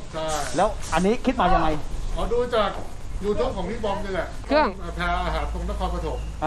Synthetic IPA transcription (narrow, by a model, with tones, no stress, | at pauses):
t͡ɕʰa˥˩˥jlɛː˦˥wʔa˧nːiː˦˥kʰi˦˥t̪̚maː˧˩t̪ʰa˧ŋma˧jkʰɔː˨˩duː˧t͡ɕaː˨˩k̚juː˨˩t̪ʰo˦˥˨ŋkʰɔː˩˦ŋniː˦˥˩bɔː˧mniː˧lɛ˨˩kʰɯ˥˩əŋː˧˩pʰɛː˧ʔaː˧ɦaː˩˦nt̪o˧ŋna˦˥kʰɔː˧npɾa˧t̪ʰo˨˩˦m̚ʔa˧